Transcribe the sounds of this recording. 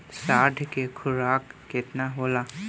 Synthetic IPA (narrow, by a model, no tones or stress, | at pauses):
saːɾɖ̪ʱkekʰʊɾaːkːɪt̪naɦoːla